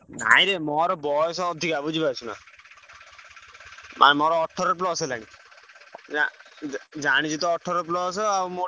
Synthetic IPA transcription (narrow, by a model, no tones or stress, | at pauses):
na̰iɾemɔɾɔbɔjɔs̬ɔɔd̪ʱikabud͡ʒibajsʰuna̰ | mʔa̰nɛmɔɾɔɔʈʰːɔɾɔɾp̬lɔselaɽ̃i | a | d͡ʒaɽ̃it͡ʃʰit̪ɔɔʈʰːɔɾɔɾp̬lɔs̬ɔamo